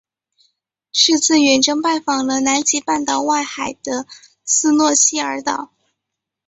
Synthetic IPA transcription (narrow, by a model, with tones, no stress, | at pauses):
ʂɻ̩˥˧t͡sʰɹ̩˥˩ɥɛ˨˩nʈ͡ʂɤ˥ŋpa˥˩ɪfɑ˨˩ŋlə˧na˧˥nt͡ɕi˧˥pa˥˩nt̪ɑ˨˩ʊwa˥˩ɪxa˨˩ɪd̪̥ə˦ | sɹ̩˥˧nwɔ˥˧ɕi˥ə˞˧˥t̪ɑ̰˨˩˦ʊ